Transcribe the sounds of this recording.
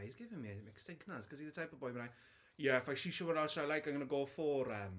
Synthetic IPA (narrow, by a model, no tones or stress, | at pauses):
jzɡɪvɪ̃ŋmiameksɪkʰnaskʰɔziðətʰajpəbɔjmənaj | jɛfajʃiʃəwənaʃalajkãnɡənəɡoːfɔɾəm